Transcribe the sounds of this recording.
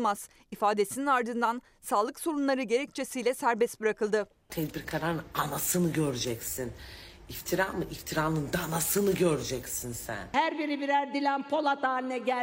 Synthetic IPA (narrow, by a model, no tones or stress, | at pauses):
maz̥ | ifaːd̪e̞sininaɾd̪ɯnd̪an | saːlˠɯkso̞ɾunlˠaɾɯɟe̞ɾɛc̚t͡ʃʰe̞sijlʲɛsæɾbɛsbɯɾakʰɯlˠd̪ɯ | t̪ʰɛd̪biɾkʰaɾaɾɯnanasɯnɯɟøɾyd͡ʒɛcsinift̪ʰiɾaːmɯʔift̪ʰiɾaːnɯnd̪anasɯnɯɟøɾyd͡ʒɛcsinsæ̰nhæɾbiɾibiɾæɾd̪ilʲænpʰo̞lˠat̪aːlʲinɛɟæ